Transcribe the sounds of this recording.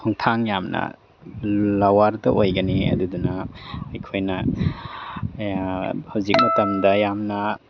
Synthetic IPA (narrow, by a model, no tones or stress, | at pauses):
ɔŋtʰaŋjamnɐ̰ | lawaɾdɐʔojɡɐniɐ̰dudunaːjkʰojnɐ | hawzik̚mɐtɐmdɐjamnɐ